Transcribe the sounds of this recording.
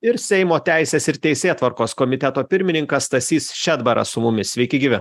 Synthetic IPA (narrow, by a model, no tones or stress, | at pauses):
ɪɾsʲɛɪmoːt̪ʲæˑɪsʲeːsɪɾt̪ʲɛɪsʲeːt̪ʋɐɾkoːskɔmʲɪt̪ʲɛt̪oːpʲɪɾʲmʲɪnʲɪŋkɐst̪ɐsʲiːsʃʲɛd̪bɐɾʔɐ̰sʊmʊmʲɪsʲʋʲɛɪkʲɪɡʲiːʋʲɪ